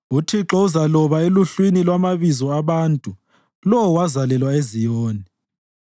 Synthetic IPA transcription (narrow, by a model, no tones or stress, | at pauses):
utʰiǁɔuzalɔβaeluɬwinilwamaβizɔaβaːntʼu | lɔwwazalɛlwaezijɔːni